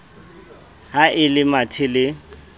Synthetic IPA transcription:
haʔɪlɪmatʰɪlɪ

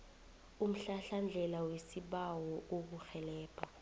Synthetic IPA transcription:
um̩ɬaɬand͡ɮʱɛlawesiɓawɔʔok̬uxɛlɛːpʰʼa

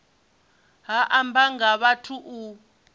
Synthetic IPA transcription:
ɦaʔambaŋɡaβatʰuʔu

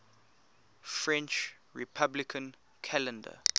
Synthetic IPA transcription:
fɹɛ̃nt͡ʃ | ɹḭpʰablikʰə̃n | kʰalɛ̃ndə̰

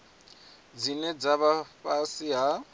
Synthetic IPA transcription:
d͡zinɛd͡zaβafasiɦa

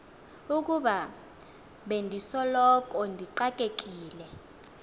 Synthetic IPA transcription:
uk̬uɓa | ɓendʱisɔlɔk̬ɔndʱiǃakʼek̬ʼiːlɛ

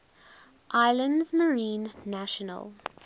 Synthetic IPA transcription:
ʔaɪlə̃ndzməɹĩːnːæʃənə̰lˠ

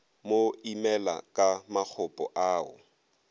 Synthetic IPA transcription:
moimɛla̰kʼamak͡xʰʊpʼɔʔaːʊ̰

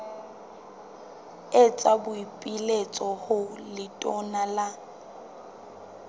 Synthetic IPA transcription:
et͡sʼabʊipʼilet͡sʼɔhʊlɪtʼɔnala

